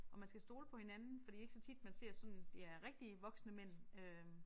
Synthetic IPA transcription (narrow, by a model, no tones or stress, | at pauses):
ʔɒ̽mænsɡ̥æsd̥o̝ːləpʰɒ̽he̝nænn̩fɒ̽d̥ḭːe̝ɡ̥sɒ̽t͡sʰid̥mænse̝ɐ̰sɒ̽n̰d̥eæɐʁɛɡ̥d̥iʋɒ̽ɡ̥snəmen̰ø